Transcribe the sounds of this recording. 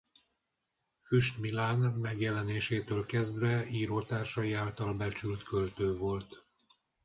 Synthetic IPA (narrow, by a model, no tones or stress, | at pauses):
fyʃt̪milaːnmɛɡjɛlɛneːʃeːt̪øːlkɛzd̪vɛiːɾoːt̪aːrʃɒjiaːlt̪ɒlbɛt͡ʃylt̪kø̞lt̪øːvo̞lt̪